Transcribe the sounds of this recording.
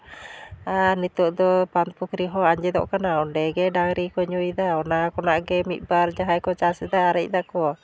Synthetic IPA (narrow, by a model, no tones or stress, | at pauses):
anit̪ɔʔd̪ɔpanp̪ukɾiɦɔaɲd͡ʒɛd̪ɔ̰ʔkənaɔndɛɡɛdaŋɾikɔɲuid̪aɔnakɔnaʔɡɛmḭbaɾd͡ʒaɦajkɔt͡ʃasid̪aːɾɛʔd̪akɔ